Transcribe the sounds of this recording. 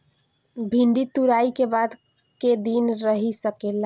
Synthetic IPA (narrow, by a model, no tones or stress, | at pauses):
bʱiɳɖit̪uɾaikebad̪ | ked̪inɾəɦisəkela